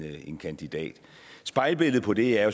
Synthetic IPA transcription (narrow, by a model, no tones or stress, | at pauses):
e̝nkʰænd̥id̥ɛ̰ːd̥ | sb̥ɑ̈ɪlb̥e̝l̰ð̩ˠpʰɒ̽d̥e̝æɐjo̝